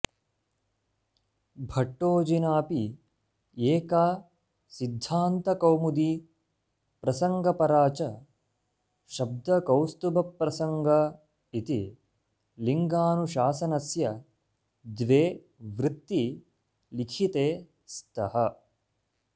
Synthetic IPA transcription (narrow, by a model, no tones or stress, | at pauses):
bʱɐʈːoːd͡ʒinaːpi | eːkaː | sid̪ʱːaːnt̪ɐkɐwmud̪i | pɾɐsɐŋɡɐpɐɾaːt͡ʃɐ | ʃɐb̚d̪ɐkɐwst̪ubɐpːɾɐsɐŋɡʱɐ | it̪i | liŋɡaːnuʃaːsɐnɐsjɐ | d̪ʋeː | ʋɾɪt̪ːi | likʰit̪eː | st̪ʰɐhɐ